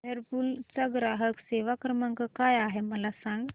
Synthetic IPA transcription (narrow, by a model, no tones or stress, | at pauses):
əɾpult͡səɡɾaɦəkseʋakɾəmaŋkəkajaɦeməlasãŋɡ